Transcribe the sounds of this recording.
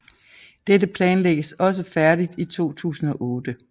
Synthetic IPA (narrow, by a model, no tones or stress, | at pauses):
d̥edəpʰlɛːnleɡ̥əsɒ̽s̬əfæɐd̥id̥it͡sʰo̝̰ːt͡sʰṵːsn̩ɒ̽ʔɔ̽ːd̥ə